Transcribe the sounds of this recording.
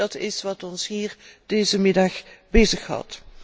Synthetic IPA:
ɑtɪsʋɑtɔnsɦiːɹd̥eːzəmɪdɑχbezəχɦɑ̰t

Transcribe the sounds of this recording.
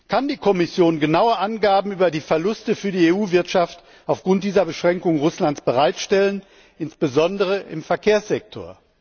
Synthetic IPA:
kʰandiːkʰɔmɪsjoːnɡənaʊəʔanɡaːbm̩yːbɐdiːfɛɐlʊstəfyːɐdiːeːuːvɪɐtʃaft | aʊfɡ̥ʁʊnt̚d̥iːzɐbəʃʁ̥ɛŋkʊŋʁʊslantt͡sb̥əʁaɪtʃtɛlən | ʔɪnsb̥əzɔndəʁ̞əʔɪmfɛɐkʰeːɐsz̥ɛk̚tʰo̰ɐ

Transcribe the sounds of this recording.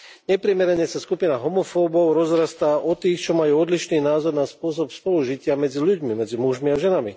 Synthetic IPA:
ɲɛpɾɪɛmɛɾɛɲɛsaskupinaɦɔmɔfɔːbɔʊɾɔzɾast̪aːʔɔt̪iːxt͡ʃɔmajuːɔd̪liʃniːnaːzɔɾnaspʊɔs̬ɔpspɔluʒicɪamɛd͡ziʎuɟmimɛd͡zimuʒmiaʒɛnami

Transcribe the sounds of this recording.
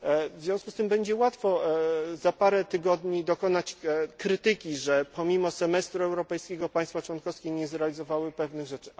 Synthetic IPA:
vzʲjɔ̃w̃skust̪ɘmbɛɲd͡ʑɛwat̪fɔzapaɾɛt̪ɘɡɔd̪ɲid̪ɔkɔnat͡ɕkɾɘt̪ɘkʲiʐɛpɔmʲimɔsɛmɛst̪ɾuɛwɾɔpɛjskʲɛɡɔpaj̃st̪fat͡ʂwɔnkɔfskʲɛɲɛzɾɛalʲizɔvawɘpɛvnɘɣʐɛt͡ʂɘ̥

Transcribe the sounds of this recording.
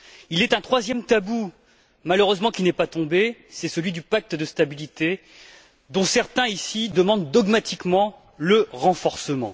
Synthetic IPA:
ilɛt̪ɛ̃t̪χwazjɛmt̪abu | maløʁøzmɑ̃kʲinɛpat̪ɔ̃besɛsəlɥid̪ypak̚t̪d̪əst̪abilit̪e | d̪ɔ̃sɛʁt̪ɛ̃isid̪əmɑ̃d̪ːɔɡmat̪ikmɑ̃ | ləʁɑ̃fɔʁsəmɑ̰̃

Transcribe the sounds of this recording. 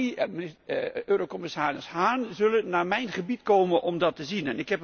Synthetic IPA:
øːɾokɔmɪsaːɾɪshaːnzɵlənːaːmɛjnχəbitkoːmənʔɔmdɑtəzinɛnɪkɦɛp

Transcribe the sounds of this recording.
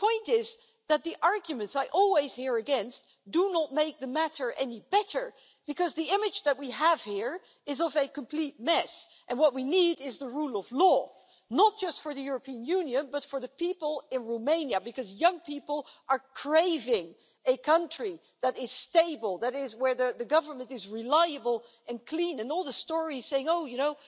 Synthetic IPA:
pʰɔ̃ɪ̃ntɪz | ðɨt̪̚ðiʔɑɹɡjɨmɨ̃ntsaɪʔɔlˠwiz̥hiɹɨɡɛ̃nst | d̥ənət̚meɪk̚ðɨmæɾə˞ʔɛnibɛɾə˞ | b̥ɨkʌzðiɪ̃mɨd͡ʒðɨt̚wiəv̥hiɹ | ɨzʌvɨkə̃m̩pʰl̥it̚mɛs | ʔɨ̃nwʌt̚winiɾɪzðəɹulˠʌvlɔ | nət̚d̥ʒ̥ʌstfə˞ðɨjʊɹəpʰĩɨ̃njʉ̃njɨ̃nbʌtfə˞ðɨpipəl̩ˠɪ̃nɹoʊmẽɪ̃njɨbɨkʌzjʌ̃ŋpʰipl̩ˠʔə˞kʰɹ̥eɪvɪ̃ŋ | ɨkʰʌ̃nt͡ʃɹ̥i | ðɨɾɪz̥steɪbəl̩ˠðɨɾɪzwə˞ðɨðɨɡʌvə˞mɨ̃ntɨzɹɪlaɪɨbəl̩ˠ | ɨ̃nkʰl̥ĩnɨ̃nɔlˠðəstɔɹiz̥seɪɪ̃ŋoʊjɨnoʊ

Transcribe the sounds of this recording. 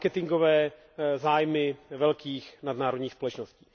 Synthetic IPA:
kɛt̪ɪŋɡovɛː | zaːjmɪvɛlkiːxnad̪naːɾodɲiːxspo̞lɛt͡ʃnosciː

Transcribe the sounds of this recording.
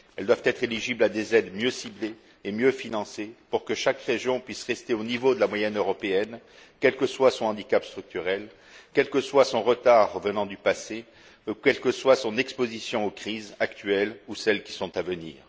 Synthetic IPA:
ɛld̪wavt̪ɛt̪χeliʒiblad̪ezɛd̪mjøsibleː | mjøfinɑ̃sepuʁkəʃakʁeʒjɔ̃pɥisʁɛst̪eonivod̪əlamwajɛnøʁɔpeɛn | kʲɛlkəswasɔ̃ɑ̃d̪ikapst̪χyk̚t̪yʁɛl | kʲɛlkəswasɔ̃ʁət̪aʁəvənɑ̃d̪ypase | kʲɛlkəswasɔ̃nɛkspozisjɔ̃okχizakt̪ɥɛlusɛlkʲi̥sɔ̃t̪avənḭːʁ

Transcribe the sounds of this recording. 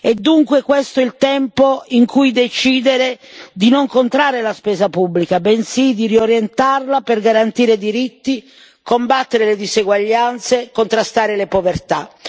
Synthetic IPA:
ɛd̪ːuŋkwekwest̪oɛlt̪ɛmpoiŋkujd̪et͡ʃiːd̪eɾed̪inoŋkont̪ɾaːɾelaspɛːzapubːlikabɛnsid̪irioɾjent̪arlapɛrɡaɾant̪iːɾed̪iɾit̪ːi | kombat̪ːeɾeled̪izeɡwaʎːant̪sekont̪ɾast̪aːɾelepovert̪a

